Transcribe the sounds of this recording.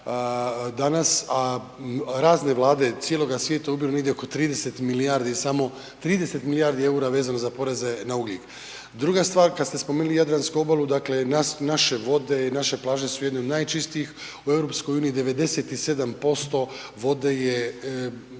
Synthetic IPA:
d̪anasa | ɾaːzne̞ʋlˠaːd̪e̞t̪sjelˠo̞ɡasʋjeːt̪ajeubilone̞ɡdjeoko̞t̪ɾiːd̪e̞set̪miliaːɾd̪isamo̞ | t̪ɾiːd̪e̞se̞t̪miliaɾd̪ie̞uɾaʋeːzanozapo̞ɾe̞ze̞nauɡlik | d̪ɾuɡast̪ʋaːɾkast̪e̞spomenulijad̪ɾanskuo̞balˠud̪akle̞nasnaʃe̞ʋo̞d̪e̞naʃe̞plˠaːʒe̞sujed̪neo̞d̪naːjt͡ʃist̪iix | ue̞vɾopsko̞juːniid̪e̞ʋe̞d̪e̞set̪ise̞d̪ampo̞st̪o̞ | ʋo̞d̪e̞je

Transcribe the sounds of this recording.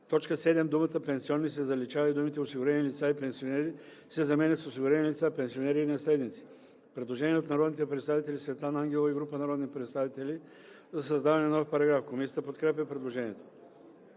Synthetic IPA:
t̪ɔt͡ʃkəsɛd̪ɛmd̪umət̪əpɛnsiɔnːis̬ɛzɐlit͡ʃavɐid̪umit̪ɛosiɡʊɾɛnilit̪saipɛnsionɛɾisɛzɐmɛnʲət̪sosiɡʊɾɛnilʲit̪sapɛnsionɛɾiːnɐslɛd̪nit̪si̥ | pɾɛd̪lˠoʒɛniɛot̪nɐɾɔd̪nit̪ɛpɾɛt̪st̪avit̪ɛlʲisvɛt̪anaŋɡʲɛlˠəiɡɾupənɐɾɔd̪nipɾɛt̪st̪avit̪ɛlʲi | zɐsɐzd̪avɐnɛnɔfpɐɾɐɡɾafkomisi̥t̪əpot̪kɾɛpʲɛpɾɛd̪lˠoʒɛniɛt̪o̥

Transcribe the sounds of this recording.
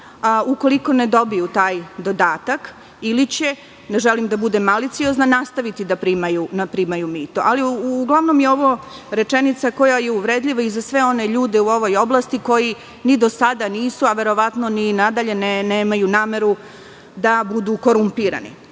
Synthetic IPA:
uko̞liko̞ne̞d̪o̞bijut̪aːjd̪o̞d̪aːt̪ak | ilit͡ɕe̞ | neʒelimd̪abud̪emːalit̪sioznanast̪aʋit̪id̪apɾiːmajunapɾimajumiːt̪oʔaliːɡlˠaʋno̞mjeo̞ʋo̞ɾe̞t͡ʃenit̪sako̞jajeuʋɾeːd̪lʎiʋaizasʋe̞o̞neʎuːd̪e̞uo̞ʋo̞jo̞blˠast̪iko̞ji | nid̪o̞sad̪aniːsuaʋe̞ɾo̞ʋat̪no̞ninad̪aʎe̞neneːmajunaːme̞ɾu | d̪abud̪uːko̞ɾumpiɾa̰nḭ

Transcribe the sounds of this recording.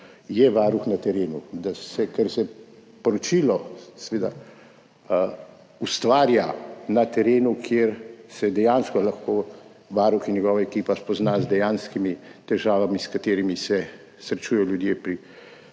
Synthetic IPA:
jɛʋaːɾuxnat̪ɛɾeːnud̪asɛkɛɾsɛpɔɾɔt͡ʃilɔsɛʋeːd̪a | ust̪ʋaːɾjanat̪ɛɾeːnukʰjeɾsɛd̪ɛjaːnskɔlaxkoː | ʋaːɾuxinjɛɡɔːʋaekiːpaspɔznaːzd̪ɛjaːnskimit̪ɛʒaːʋamiskat̪eːɾimisɛ | sɾɛt͡ʃujɛjɔljud̪jeːpɾi

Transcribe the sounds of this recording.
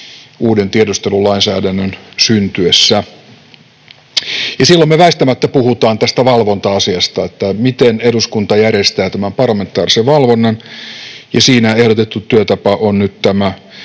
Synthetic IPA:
ʔuːdent̪iedost̪elulɑinsæːdænːønsynt̪yesːæ | jɑsilːommeʋæist̪æmæt̪ːæpuhut̪ɑːnt̪æst̪æʋɑlʋont̪ɑɑsiɑst̪ɑet̪ːæmit̪eneduskunt̪ɑjærest̪æːt̪æmæmpɑrlːɑme̞nt̪ːˑɑːriseʋʋɑlʋonːɑn | jɑsiːnæehdot̪et̪ːut̪yøt̪ɑpɑʔonnyt̪t̪æmæ

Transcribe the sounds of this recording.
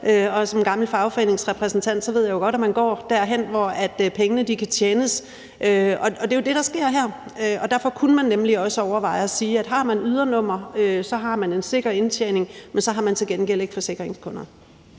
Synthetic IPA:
ʔøɒ̽sɒ̽mɡ̥ɑ̈ml̩fɑ̈ʊfɒ̽e̝̰ːne̝ŋsʁɛpʰʁɛsn̩t͡sʰæn̰d̥sɒʋe̝ð̞̰ˠjɑjo̝ɡ̥ɒ̽ɾ̥æmænɡ̥ɒ̰ːd̥æɐ̰ɦen̰ʋɒæd̥pʰeŋənəd̥ikʰæt͡ɕʰjeːnəs | ʔøɒ̽ɒ̽d̥e̝jo̝d̥e̝ɾ̥ɑ̈sɡ̥e̝ɐ̰ɦæɐ̰øɒ̽d̥æɐ̰fɒ̽kʰunəmænːemliɒ̽səɒʊɐʋɑ̈ɪɒ̽siːæd̥ɦɑ̈mænyð̞ˠɐnɔ̽m̰ɐøsɒ̽ɦɑ̈mæne̝nse̝ɡ̥ɐe̝nt͡sʰjḛːne̝ŋmensɒ̽ɦɑ̈mænt͡sʰe̝lɡ̥enɡ̥el̰e̝ɡ̥fɒ̽se̝ɡ̥ʁeŋskʰɔ̽nɐ

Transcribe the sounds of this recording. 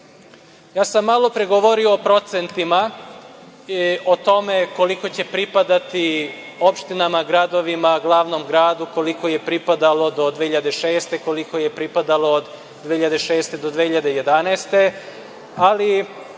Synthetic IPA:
jaːsamːalˠo̞pɾeɡoʋo̞ɾio̞ːpɾo̞t̪se̞nt̪ima | o̞t̪o̞meko̞liko̞t͡ɕe̞pɾipad̪at̪i | opʃt̪inamaɡɾad̪o̞ʋimaɡlˠaːʋnomɡɾaːd̪uko̞liko̞je̞pɾipad̪alo̞d̪o̞d̪ʋehiʎad̪eʃe̞ːst̪e̞ko̞liko̞jepɾipad̪alo̞ːd̪ː | eːiʎad̪eʃeːst̪e̞d̪od̪ʋehiʎad̪eje̞d̪anaːst̪e̞ | ali

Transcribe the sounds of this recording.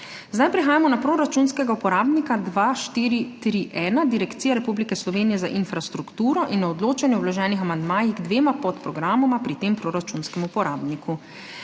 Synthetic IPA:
zd̪ajpɾixaːjamɔnapɾoːɾat͡ʃunskɛɡaupɔɾaːbnikad̪ʋaːʃt̪iːɾit̪ɾiʔɛːnad̪iɾɛkt̪siːjaɾɛpublikɛslɔʋeːnijɛzaʔinfɾast̪ɾukt̪uːɾɔʔinːaɔd̪loːt͡ʃanjɛwlɔʒɛːnixamand̪maːjixɡd̪ʋeːmapɔt̪pɾɔɡɾaːmɔmapɾit̪eːmpɾoːɾat͡ʃunskɛmupɔɾaːbnikʰu

